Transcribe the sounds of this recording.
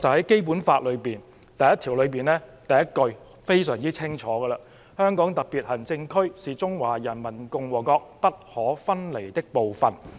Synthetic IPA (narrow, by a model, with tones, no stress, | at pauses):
t͡sɐ˨whɐ˨˥jke˥jp̬uː˨˥nfaː˧t̚lɵ˨˧ɥpiː˨n | t̪ɐ˨jɐ˥t̪ʰiː˨˩wlɵ˨˧ɥpiː˨˩nlɛː˥t̪ɐ˨jɐ˥t̚kɵ˧ɥ | fe˥jsœː˨˩ŋt͡siː˥t͡sʰɪ˥ŋt͡ʃʰɔː˨˥ɡə˧lɐ˧ | hœː˥ŋkɔː˨˥ŋt̪ɐ˨k̚piː˨˩t̚hɐ˨˩nt͡sɪ˧ŋkʰɵ˥ɥsiː˨t͡sʊ˥ŋwaː˨˩jɐ˨˩nmɐ˨˩nkʊ˧ŋwɔː˨˩kɔː˧k̚pɐ˥t̚hɔː˨˥fɐ˥nle˨˩jt̪ɪ˥k̚po˨wfɐ˨˩n